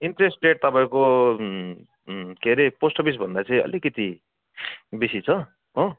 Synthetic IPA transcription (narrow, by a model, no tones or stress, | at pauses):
inʈɾesʈreʈ̚t̪ʌpaĩko | kʰeɾeposʈʌbis̬bʱʌnd̪at͡sʌ̃ĩʌ̰likʌt̪i | bisit͡sʰʌ | ɦo